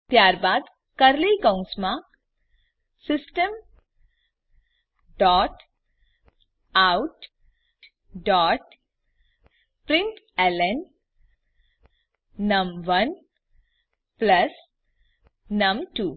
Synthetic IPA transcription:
t̪jaːɾbaːd̪ | kɐɾlikãũŋsmã | sɪsʈəm | ɖɔːʈ | awʈ | ɖɔːʈ | pɾɪɳʈ | elən | ɐmʋɐn | plɐs | nɐmʈuː

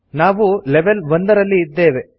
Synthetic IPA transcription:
naːʋuleʋelʋond̪ɐɾɐlːiːd̪ːe̞ːʋe

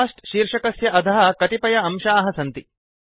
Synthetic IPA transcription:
ʂʈʃiːɾʂɐkɐsjɐʔɐd̪ʱɐɦɐkɐt̪ipɐjɐɐmʃaːɦɐsɐnt̪i

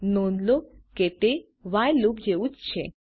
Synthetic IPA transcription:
nonloket̪e | ʋajlub̚d͡ʑeut͡st͡ɕʰḛ

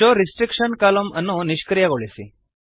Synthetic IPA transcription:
oɾisʈɾikʂɐnkaːlɐmɐnːuniʃkɾijɐɣoɭisḭ

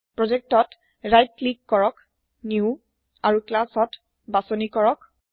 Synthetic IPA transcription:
pɹɔzɛk̚tɔt | ɹajt̚klikːɔɹɔk | niu | aɹuklasɔt | basɔnikɔɹɔk

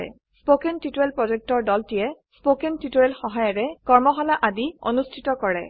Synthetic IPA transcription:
ɛ̰ | spokɛntitoɛlpɹɔzɛk̚tɔɹdɔltijɛspokɛntitoɛlxɔɦajɔɹɛkɔɹmɔxɔlaʔadio̰nustʰitɔkɔɹɛ̰

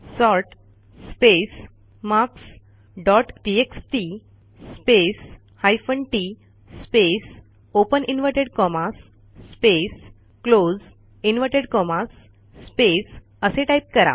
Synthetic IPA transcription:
sɔɾʈ | spes | maks | ɖɔʈʈieksʈi | spes | hajfəɳʈi | spes | opəninʋəʈeɽkɔmasː | pes | klod͡z | inʋəɾʈeɽkɔmasː | pes | əseʈajp̚kəɾa̰

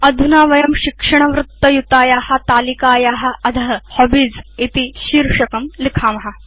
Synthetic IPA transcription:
ɐd̪ʱunaːʋɐjɐmʃikʂɐɳ̃ɐʋɾut̪ːɐjut̪aːjaːhɐ̆t̪aːlikaːjaːɦɐ̆ɐd̪ʱɐɦɐhobid͡zit̪iʃiːɾʂɐkɐmlikʰaːmɐɦɐ

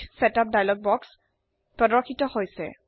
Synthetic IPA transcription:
sɛtap̚dajlɔɡ̚bɔks | pɹɔdɔɹkʰːitɔhojsɛ̰

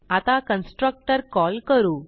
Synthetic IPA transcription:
at̪akənsʈɾək̚ʈəɾkɔlkəɾuː

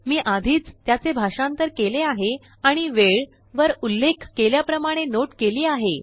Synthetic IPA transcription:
miːʔad̪ʱiːt͡st̪jat͡sebʱaʂãnt̪əɾkeleaɦe | aɽ̃iʋeɭ | ʋəɾulːekʰkeljapɾəmaɽ̃enoʈkeliːaɦe

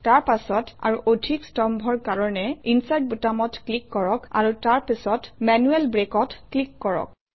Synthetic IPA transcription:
taɹpasɔta̰ɹuʔodʱikstɔmbʱɔɹkaɹɔnɛinsajt̚butamɔtklikːɔɹɔka̰ɹutaɹpisɔtmɛnuɛlbɹekɔtklikːɔɹɔ̰k

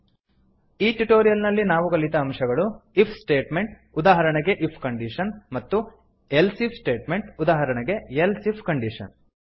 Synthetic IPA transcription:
iːʈuʈoːɾijɐlnɐlːinaːʋuɡɐɭit̪ɐːmʂɐɡɐɭuipʰsʈeːʈme̞ɳʈ̚ | ud̪aːɦɐɾɐɳɐɡe̞ʔipʰkɐɳɖiʂɐnmɐt̪ːu | elsipʰsʈe̞ːʈme̞ɳʈud̪aːɦɐɾɐɳɐɡe̞elsipʰkɐɳɖiʂɐ̰n

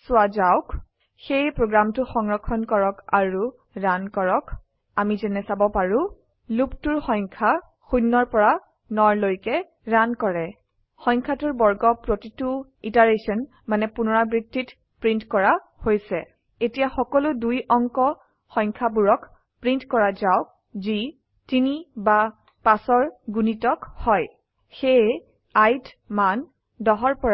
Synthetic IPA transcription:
sʊazaʊk | xejpɹoɡɹamtʊxɔŋɹɔkʰːɔnkɔɹɔkaɹu | ɹankɔɹɔk | amizɛnɛsabɔpaɹʊ̃ | luptʊɹxɔjŋkʰa | xunːɔɹpɔɹa | nɔɹlojkɛ | ɹankɔɹɛ | xɔjŋkʰatʊɹbɔɹɡɔpɹotituitaɹesɔn | manɛpunɔɹabɹiktːit | pɹintkɔɹa | hojsɛ̰ | etijaxɔkɔlʊdujɔŋkɔ | xɔjŋkʰabuɹɔk | pɹintkɔɹazaʊ | zi | tiniba | pasɔɹɡunitɔkhɔj | xej | ajt | man | dɔɦɔɹpɔɹa

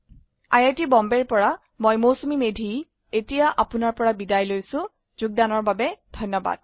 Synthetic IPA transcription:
ajatibɔmbɛɹpɔɹa | mojmosumimedʱi | etijaʔapʊnaɹpɔɹabidajlojsʊ̃ | zuɡ̚danɔɹbabɛdʱɔjnːɔba̰d̥̚

